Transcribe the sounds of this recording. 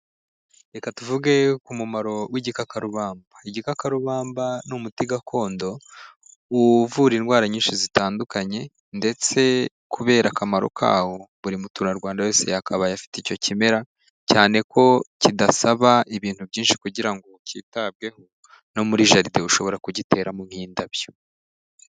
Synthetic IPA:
ɾe̞katuvuɡekumumaɾo̞wiɟikakaɾuβaːmbaiɟikakaɾuβaːmbanumutiɡakʰo̞ːndo̞ | uvuɾinɡwaːɾaɲiːnʃizitaːndukaɲe̞ | nde̞t͡se̞ | kʰuβe̞ːɾʔakamaɾo̰kʰa̰ːho̞βuɾimutunaɾɡwaːndaje̞ːse̞̰jakʰaβajafi̥tico̞cime̞ɾa | caːne̞kʰo̞cidasaβaʔiβiːn̥hubɟiːnʃi̥kuɟiɾaŋɡo̞cḭːtab̚ɡe̞ho | no̞muɾiːʒaɾide̞uʃo̞βo̞ɾakuɟite̞ːɾamumhiːndaβjo

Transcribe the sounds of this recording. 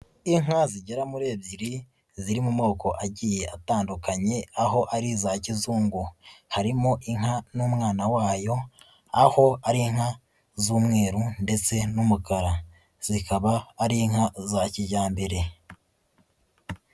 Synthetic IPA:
iŋaziɟeɾamuɾe̞ːbɟiɾi | ziɾimumo̞ːko̞ʔaɟije̞ataːndukaɲe̞aɦo̞ʔaɾizacizuːŋɡuhaɾimo̞ʔiŋ̥ɦanuːmŋaːnawaːjo̞ | aho̞aɾiŋ̥ha | zuːmŋe̞ːɾunde̞t͡se̞numukaɾa | z̥ikaβaːɾiŋ̥hazaciɟaːmbeɾe̞

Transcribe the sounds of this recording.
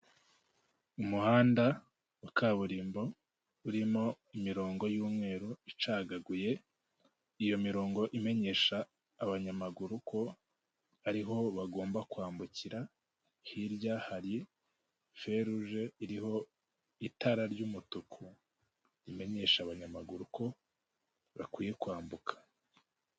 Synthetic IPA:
umuhaːnda | ukʰaːβuɾiːmbo̞ | uɾimo̞ | imiɾo̞ːŋɡo̞juːmŋe̞ːɾuit͡ʃaɡaɡuje̞ | ijo̞miɾo̞ːŋɡo̞ʔime̞ɲe̞ʃaː | βaɲamaɡuɾukʰo̞ | aɾiɦo̞βaɡo̞ːmbakwaːmbuciɾa | hiɾɟahaɾi | fe̞ɾuʒeiɾiho̞ | itaɾaɾɟuːmutukʰu | ɾime̞ɲe̞ʃaːβaɲamaɡuɾuko̞ | βakwiːje̞kwaːmbukʰḁ

